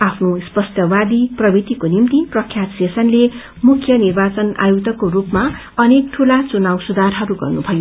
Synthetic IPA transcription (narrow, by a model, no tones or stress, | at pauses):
apʰnospʌsʈ̪jʌbad̪iprʌbit̪ikonimt̪iprʌkʰjat̪sesʌnle | mukʰjʌnirbat͡sʌna̰joɡt̪ʌkorupma | ʌnek̚ʈʰulat͡sunawsud̪arɦʌɾuɡʌ̰rnubʱʌjo